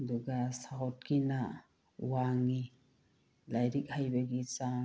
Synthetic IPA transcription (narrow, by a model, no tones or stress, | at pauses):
duɡasaɔt̚kʰina | waŋi | lajɾik̚hajbeɡisa